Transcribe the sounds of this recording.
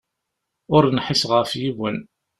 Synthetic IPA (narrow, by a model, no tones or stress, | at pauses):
ʊɾnħɪsʁəɾfjiwən